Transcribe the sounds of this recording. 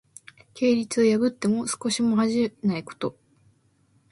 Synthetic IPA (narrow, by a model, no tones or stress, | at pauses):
kʰe̞ːɾʲit͡sɨojabɯ̟t̪ːe̞mo̞sɨ̥ko̞ɕimo̞ɦaʑinaiko̥t̪o̞